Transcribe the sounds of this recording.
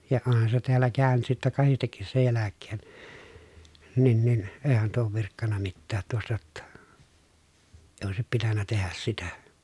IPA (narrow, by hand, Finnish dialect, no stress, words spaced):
jɑ onhɑn se teælːæ kæˑy̞nyt sitːæ kɑhistekːis sej jælækːeːn nin nin eːhæn tuo oːʋ ʋirkːɑnːɑ mitːæːt tuostɑ̆ j̆otːɑ eĭ oˑesip pitænːæ tehæs sitæ